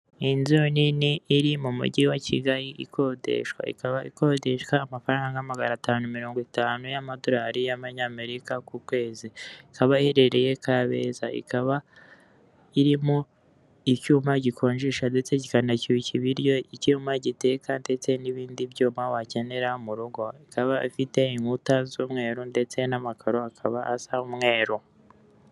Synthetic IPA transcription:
inzoniniːɾimumṵɟiwaciɡaɾiʔḭkʰo̞de̞̰ʃkwa̰ḭkaβaḭko̞de̞ʃkwaːmafaɾaːŋɡaamaɡanataːnumiɾo̞ːŋɡwitaːnujamado̞ɾaɾijaβaɲaːme̞ɾikakukwe̞ːziikaβaiheɾe̞ɾe̞je̞kaβe̞zaḭkaβa | iɾimo̞ | icuːmaɟikʰo̞ːɲʒiʃande̞t͡se̞cikanaciβiciβiɾjo̞icumaɟite̞kande̞t͡se̞niβiːndiβjuːmawace̞ne̞ɾaumuɾuɡo̞ikaβaifite̞iŋhutazuːmŋe̞ːɾonde̞t͡se̞namakʰaɾo̞akʰaβaasaumŋe̞ːɾo

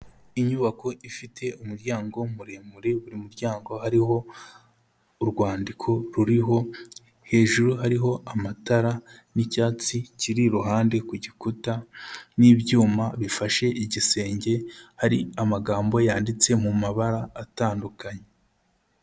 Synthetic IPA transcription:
iɲuβako̞ʔifitʰe̞umuɾɟaːŋɡo̞muɾemuɾeβuɾimuɾɟaːŋɡo̞haɾiho̞ | uɾɡwaːndikʰo̞ɾuɾiɦo̞ | he̞ːʒuɾuɦaɾiɦo̞ʔamataɾanicaːt͡siciɾiɾuɦaːndekuɟikutanibɟuːmaβifaʃe̞ʔiɟise̞ːɲɟe̞haɾiamaɡaːmbo̞jaːndit͡se̞mumaβaɾaːtaːndukaɲe

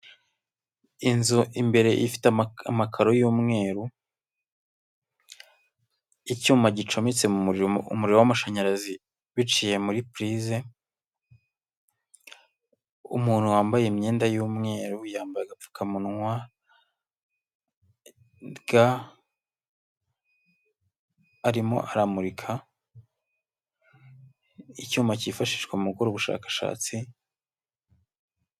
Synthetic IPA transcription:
inzuimbe̞ɾe̞ʔifi̥tamakʰaɾo̞juːmŋe̞ːɾu | icuːmbaɟit͡ʃo̞mit͡se̞muɾiɾo̞wamaʃaɲaɾazi | βit͡ʃije̞muɾipɾize | ṵmuːn̥huwaːmbajeimɲe̞ːndajuːmŋe̞ːɾujaːmbajaɡap͡fu̥kʰamunŋwa | ɡa | aɾimo̞̰ʔaɾamuɾikʰa | icuːmbacifaʃi̥ʃkweumukoɾoβuʃa̰ːkḁʃa̰ːt͡si

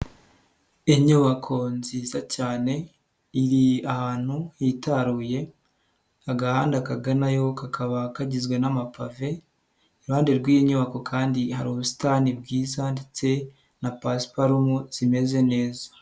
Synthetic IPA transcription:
eɲoβakʰo̞nziːzacaːne̞ | iɾiahaːn̥hujitaɾuːje̞ | aɡahaːndakaɡanajo̞kakʰaβakaɟizɡwe̞namapave̞ː | ɾuhaːndeɾɡwiːjiɲoβako̞kʰaːndihaɾuːβusi̥tanibɡiːzande̞t͡se̞ | napaspaɾumuz̥ime̞ze̞ne̞ːzḁ

